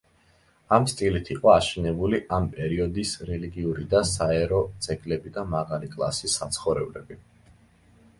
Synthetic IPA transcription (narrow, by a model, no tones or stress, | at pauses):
amst̪ʼilit̪ʰiqʼɔaʃɛnɛbuliʔampʼɛɾiɔd̪isɾɛliɡiuɾid̪asaɛɾɔt̪sʰʼɛkʼlɛbid̪amaʁalikʼlˠa̰sisːat̪sʰχɔvɾɛblɛbi